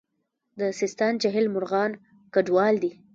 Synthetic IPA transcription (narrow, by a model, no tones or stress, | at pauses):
d̪əsɪst̪ɑnt͡ʃaɦɪlmʊɾɣɑn | kaɖwɑld̪i